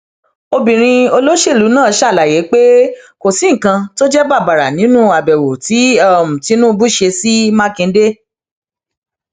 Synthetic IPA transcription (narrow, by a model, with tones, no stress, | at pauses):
o˧bĩ˨ɾ̃ĩ˧o˧lo˦ʃe˦˨lu˨˦nãː˦˨˧ʃa˦˨la˨je˨˦k͡pe˦ko˨si˨˦ŋ̩˨kã˧to˦d͡ʒɛ˦ba˦˨ba˨ɾa˨nĩ˨˦nũ˦a˨bɛ˨wo˨ti˨˦ɔ˦˨mũ˨ti˨˦nũ˦˧bu˦ʃe˧si˦mã˦kĩ˧˦de˦